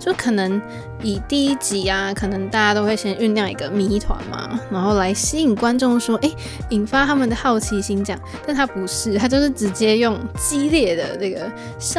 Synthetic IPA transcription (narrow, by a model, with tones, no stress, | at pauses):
t͡ɕjo˥˩˥kʰɤ˨˩nə˧˦ŋ | i˨˩t̪i˥˧i˥t͡ɕi˧˥a˧kʰɤ˨˩nə˧˦ŋt̪a˥˩t͡ɕja˥t̪o˥ʊxwe˥˩ɪɕjɛ˥ny˥˧nljɑ˥˩ŋḭ˧˥ɡə˧mi˧˥t̪ʰwa̰˧˦nma̰˧na˧˥ŋxo˥˩ʊla˧˥ɪɕi˥i˨˩ŋkwa˦nʈ͡ʂʊ˥˧ŋʂwɔ˥ʔe˥˩ɪ | i˨˩nfa˥t̪ʰa˥mə˨nd̪ə˩xɑ˥˩ʊt͡ɕʰi˧˥ɕi˧˥ŋt͡ɕjɑ̰˥˩ŋt̪a˥˩nt̪ʰa˦˥pu˨˧˦ʂɻ̩˥˩t̪ʰa˥t͡ɕjo˥˧ʊʂɻ̩˥˩ʈ͡ʂɻ̩˧˥t͡ɕjɛ˥jʊ˥˩ŋt͡ɕi˦˥ljɛ˥˩d̪ə̰˩nə˥˩ɡə˩ | ɕ